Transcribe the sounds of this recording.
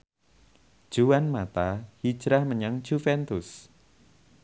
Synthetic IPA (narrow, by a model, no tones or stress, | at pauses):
d̥ʒ̥uwanmat̪ahid̥ʒ̥ɾahməɲaŋd͡ʒ̥ufɛnt̪ʊs